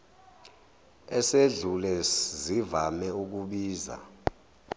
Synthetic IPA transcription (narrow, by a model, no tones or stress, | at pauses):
ɛseɮulɛzivamɛuk̬uɓiːza̰